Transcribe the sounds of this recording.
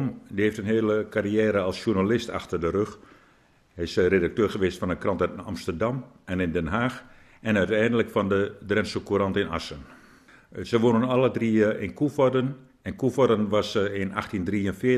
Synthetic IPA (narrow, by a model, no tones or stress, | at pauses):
mdiheːftənɦeːləkariɛːɾəlˠsʃurnalɪstʰa̰xtərdəɾøx | ɛɪsredak̚tøːrxəʋeːstfɔnəkrɑntœta̰mstərdɑmɛnɪndɛnɦaːx | ɛnœɥtɛjndələkfɔndədrɛnsokurɑntɪna̰sən | səʋonənɔlˠədriəɪnkufɔdən | ɛnkufɔdənʋasəɪna̰xtindriːənfɪ